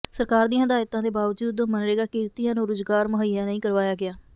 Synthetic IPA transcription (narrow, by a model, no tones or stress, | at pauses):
səɾkaːɾd̪ĩjãːd̪aːjt̪ãːd̪eːbaːʋəd͡ʒuːd̪õːmənɾeːɡaːkiːɾt̪iːjãːnũːɾʊzɡaːɾmʊɦəjãːnəĩːkəɾʋaːjaːɡɪaː